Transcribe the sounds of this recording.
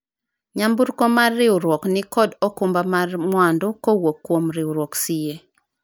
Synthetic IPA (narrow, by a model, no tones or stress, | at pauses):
ɲambuɾkomarːɪʊɾwɔknɪkɔdokumbamarmwandʊkowokːwomɾɪuɾwoksije